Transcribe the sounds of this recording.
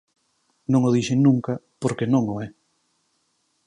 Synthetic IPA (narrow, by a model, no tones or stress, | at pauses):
nõŋoðiʃeŋnũŋkɐpoɾkenõŋoɛ